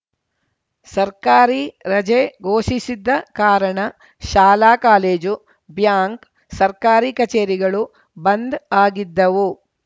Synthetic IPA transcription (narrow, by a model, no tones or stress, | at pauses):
sɐɾkaːɾiɾɐd͡ʒeɡoːʃisid̪ːɐkaːɾɐɳɐ | ʃaːlaːkaːleːd͡ʒu | bjaːŋk | sɐɾkaːɾikɐt͡ʃeːɾiɡɐɭu | bɐnd̪aːɡid̪ːɐʋu